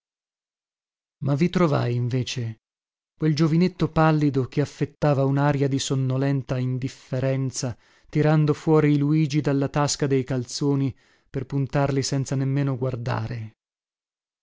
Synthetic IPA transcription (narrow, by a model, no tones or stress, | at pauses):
mavːit̪ɾova̰jiɱveːt͡ʃe | kweld͡ʒovinet̪ːopalːid̪okeafːet̪ːaːvaunaːɾjad̪isonːolɛnt̪aind̪ifːeɾɛnt̪sa | t̪iɾand̪ofwɔːɾiːluiːd͡ʒid̪alːat̪askad̪ejkalt̪soːni | perpunt̪arlisɛnt̪sanemːeːnoɡward̪a̰ːɾe